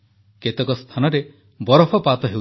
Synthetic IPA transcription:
ket̪ekɔst̪ʰanɔɾe | bɔɾɔpʰɔpat̪ɔɦe

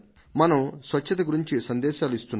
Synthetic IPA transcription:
mɐnɐmsʋɐt͡ʃːʃːɐt̪̬ɐɡuɾiɲt͡ʃisɐnd̪ɛːʃaːluist̪unː

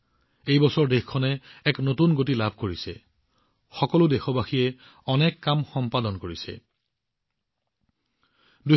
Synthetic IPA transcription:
ejbɔsɔɹdexkʰɔnɛɛknotunɡotilabʱkoɹisɛ̰ | xɔkɔlʊdexɔbaxiɛ | ɔnɛkːamxɔmpadɔnkoɹisɛ̰ | du

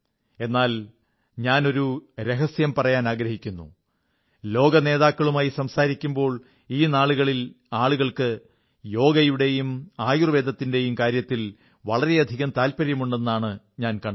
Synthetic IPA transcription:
e̞nːaːl | ɲaːno̞ɾuɾe̞ɦɐsjɐmpɐrɐjaːnaːɡɾɐɦikʲːunːṵ | lo̞ːɡɐne̞ːðaːkːɐɭumaːjisɐmsaːɾikʲːumbo̞ːɭ | iːnaːɭuɣɐɭil | aːɭuɣɐɭkɨ | jo̞ːɡɐjuɽe̞jumaːjurʋe̞ːd̪ʱɐt̪ːinde̞jumkaːɾjɐt̪ːil | ʋɐɭɐɾe̞ɐd̪ʱiɣɐmt̪aːlpɐɾjɐmuɳɖe̞nːaːɳɨ | ɲaːnkɐɳ

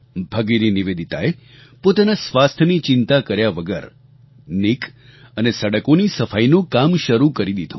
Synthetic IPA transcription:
bʱəɡiɾiniʋed̪ʱit̪a̰e | pot̪anasʋast̪ʰnit͡ʃɪnt̪akəɾjaʋəɡə̰ɾ | nik | ənesəɽəkonisəfainũkamʃəɾukəɾid̪id̪ʱṵ̃

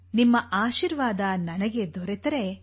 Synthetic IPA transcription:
nimːɐʔaːʃiɾʋaːd̪ɐnɐnɐɡe̞d̪ɔɾet̪ɐɾe̞

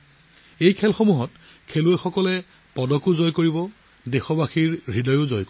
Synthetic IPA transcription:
ejkʰɛlxomuɦɔt | kʰeluɛxɔkɔlɛ | pɔdɔkʊzɔjkoɹibɔ | dexɔbaxiɹɹidɔjʊzɔjko

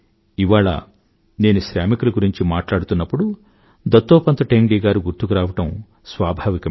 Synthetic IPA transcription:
iʋaːɭa̰ | ne̞ːnuʃɾjaːmikuluɡuɾiɲt͡ʃimaːʈlaːɽut̪unːɐpːuɽu | d̪ɐt̪ːoːpɐnt̪ɐʈeːmɖiːɡaːɾuɡuɾt̪ukuɾaːʋɐʈɐm | sʋaːbʱaːʋikɐ

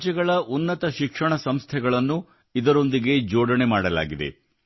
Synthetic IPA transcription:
t͡ʃɛɡɐɭɐʔunːɐt̪ɐʃikʂɐɳɐsɐmst̪ʰɛɡɐɭɐnːu | id̪ɐɾo̞nd̪iɡe̞d͡ʒoːɽɐɳe̞maːɽɐla̰ːɡid̪ḛ

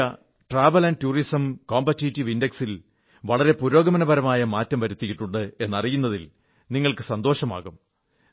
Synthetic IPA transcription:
ɐ | ʈraːʋɐlɐntuːrisɐmkoːmbɐtːitːiʋindeksil | ʋɐɭɐɾe̞puɾo̞ːɡɐmɐnɐbɐɾɐmaːjɐmaːtːɐmʋɐɾut̪ːijiʈːuɳɖɨe̞nːɐrijunːɐðil | niŋːɐɭkɨsɐnd̪o̞ːʂɐma̰ːɣum

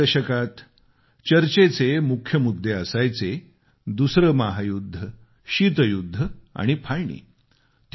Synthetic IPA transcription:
əɕəkat̪ | t͡ɕəɾt͡ɕet͡semukʰːjəmud̪ʱːeəsajt͡se | d̪usɾəmaɦajud̪ʱːə | ɕiːt̪̬əjud̪ʱːəa̰ɽ̃ipʰaɭɳḭː | t̪

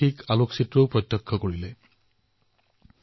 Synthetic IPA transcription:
ikaloksitɹopɹɔt̪jɔkʰːɔkoɹilɛ

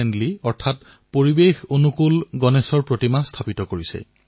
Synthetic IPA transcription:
ɛndliɔɹtʰat | poɹibexonukulɡɔnesɔɹpɹotimastʰapitɔkoɹisɛ̰

